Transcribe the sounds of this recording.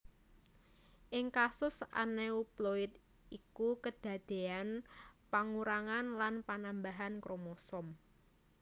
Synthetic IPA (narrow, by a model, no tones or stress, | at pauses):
ʔɪŋkasʊsa̰neuploɪt̪̚ | ikukəd̪̥a̤d̪̥e̤anpaŋuɾaŋanlanpanambaɦankɾomosɔm